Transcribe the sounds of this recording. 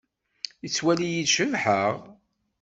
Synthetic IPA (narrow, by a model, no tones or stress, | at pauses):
it͡sːwælijidʃəvħəʁ